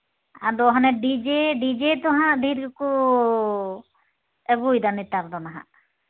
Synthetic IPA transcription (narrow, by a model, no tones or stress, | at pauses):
a̰d̪ɔɦɔnɛɖid͡ʒɛɖid͡ʒɛt̪ɔɦãʔɖʱiɾku | ɛɡujd̪anit̪aɾd̪ɔnaɦã̰ʔ